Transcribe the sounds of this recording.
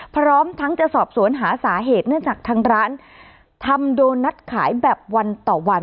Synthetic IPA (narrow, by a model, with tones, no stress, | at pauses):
pʰɾɔː˦˥mt̪ʰa˦˥ŋt͡ɕa˨˩sɔː˨˩p̚su˨˩˦ənɦaː˩˦saː˩˦ɦeː˨˩t̪̚nɯ˥˩ət͡ɕaː˨˩k̚t̪ʰaː˧ŋɾaː˦˥n | t̪ʰa˧mdoː˧jːa˦˥t̪̚kʰaː˩˦jbɛː˨˩p̚wa˧nt̪ɔː˨˩wa˧n